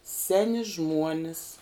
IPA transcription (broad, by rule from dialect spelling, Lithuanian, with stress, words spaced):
ˈsʲæːnʲɪ ˈʒmuɔnʲɪs